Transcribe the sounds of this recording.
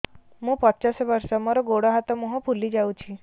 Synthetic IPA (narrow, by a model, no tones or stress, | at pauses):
mũːpət̪ːt͡ɕasʋəɾsamɔɾɔɡoɽɔɦat̪ɔmuɦɔpʰulːid͡ʑawt͡ɕʰi